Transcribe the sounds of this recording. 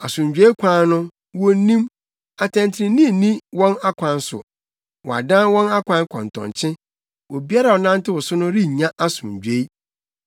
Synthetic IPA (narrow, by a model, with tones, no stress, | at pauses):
a˨sʊ̃˨ɲ˨d͡ʑᶣe˦kʷʰã˦nʊ̃˦ | wɔ˦nĩ˦m | a˨tʰɛ̃˨ntʰɪ˨ɾɪ̃˨nĩ˦˨nĩ˦wɔ̃˦na˦kʷʰã˨˦n˦sʊ̰˨ | wɔ˨a̰˨dã˦nwɔ̃˦na˦kʷʰã˦nkʰɔ̃˨n˨tʰɔ̰̃˨nt͡ɕʰɪ̃˦ | wɔ˨bi˦a˦ɾa˨wɔ˨nã˦n˦tɪ˦wɔ˨sʊ˦nʊ̃˦ɾi˦˨ɲã˦ʔa˦sʊ̃˨ɲ˨d͡ʑᶣe˦i˦